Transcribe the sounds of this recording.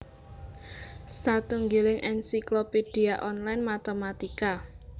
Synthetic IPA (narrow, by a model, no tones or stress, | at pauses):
sat̪uŋɡilɪŋʔɛnsikloped̥i̤aʔɔnlajnmat̪emat̪ika